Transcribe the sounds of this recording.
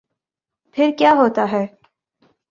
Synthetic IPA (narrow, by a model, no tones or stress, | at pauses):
pʰɪɾkjaːɦoːt̪aɦɛː